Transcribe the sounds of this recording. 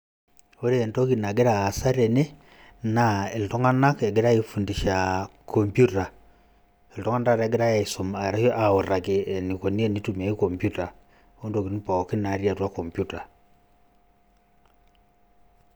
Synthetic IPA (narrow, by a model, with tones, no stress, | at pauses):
o˦ɾeː˦˨nto˦ki˨na˨ɡe˦ɾaː˨sa˦ɾe˨ne˦ | na˨e˨lto˦ŋa˦na˦ke˨ɡe˦ɾa˦ifu˨ndi˨ʃa˨kʰo˨mpju˦ta˨ | e˨ltɔ˦ŋa˦nda˦ɾɛ˨ɡe˦ɾa˦ja˨iso˨ma˨ɾa˦ho˦ʔa˨o˨ra˨kee˨ni˨ko˨ni˦e˦ni˦tuma˨i˦ko˨mpju˦ta˨ | o˦ndo˨ki˨ni˦pa˨ki˦na˨ɾja˨twa˦ko˨mpjuta˨